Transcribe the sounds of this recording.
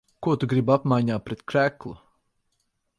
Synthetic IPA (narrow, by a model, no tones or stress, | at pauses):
kuɔt̪uɡɾibapmajɲaːt̪̚pɾɛt̪kɾæklˠu